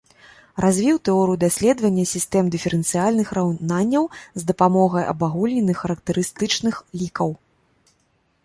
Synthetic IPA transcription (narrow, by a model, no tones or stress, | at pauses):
rʔazʲvʲiwt̪ɛɔɾɨjud̪asʲlʲɛd̪vɐnʲːɐsʲist̪ɛmd̪ɨfʲɛɾɨnt̪sɨjalʲnɨxrawnanʲːɐwzd̪ɐpamɔɣɐjʔɐ̰baɣulʲnʲɛnɨxːɐɾɐkt̪ɨɾɨst̪ɨt͡ʂnɨxlʲikɐw